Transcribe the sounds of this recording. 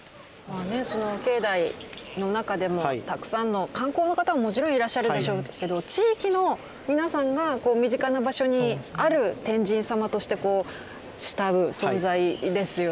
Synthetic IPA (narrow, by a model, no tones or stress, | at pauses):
maːne̞so̞no̞ke̞ːd̪aino̞nakad̪e̞mo̞t̪akɯ̟̥sãnːo̞kãŋko̞ːno̞kat̪amamo̞t͡ɕiɾõ̞ɰ̃iɾaɕːaɾɯd̪e̞ɕo̞ːke̞d̪o̞t͡ɕiːkʲino̞ | mʲinasãŋɡako̞ːmʲiʑikanabaɕo̞ɲ̟iaɾɯ̟t̪ẽ̞ɲ̟d͡ʑĩɰ̃samat̪o̞ɕi̥t̪e̞ko̞ː | ɕi̥t̪aɯ̟sõ̞nzaid̪e̞sɨjo